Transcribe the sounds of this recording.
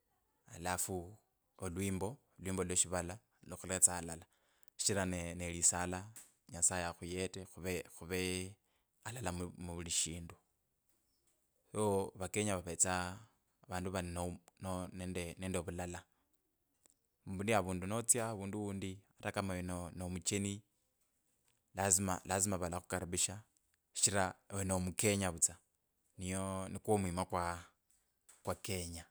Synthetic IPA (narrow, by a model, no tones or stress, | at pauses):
a̰lafu | olwiːmbo̞ | lwiːmboloʃiβala | loxulet͡saːlala | ʃi̥ʃiɾanenelisala | ɲasajaxujetexuβexuβe | alalammuβuliʃiːndu | joβakeɲaβaβet͡sa | βaːnduβaninononedeneːndeβulala | muβundiaβuːndunot͡sjaβuːnduuːndiaɾakamaenonomut͡ʃeni | lazimalazimaβalaxu̥kaɾaβiʃḁ | ʃiɾawenomuke̞ɲaβut͡sa | nijonikwomwimakwa | kwake̞ɲa